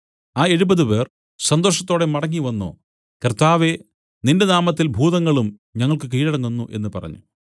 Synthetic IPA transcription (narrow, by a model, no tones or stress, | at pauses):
aːe̞ɻubɐðupe̞ːr | sɐnd̪o̞ːʂɐt̪ːo̞ːɽe̞mɐɽɐŋːiʋɐnːo̰ː | kɐrt̪aːʋe̞ | nindenaːmɐt̪ːilbʱuːðɐŋːɐɭum | ɲɐŋːɐɭkɨk̬iːɻɐɽɐŋːunːuʔe̞nːɨpɐ̰rɐ̰ɲːṵ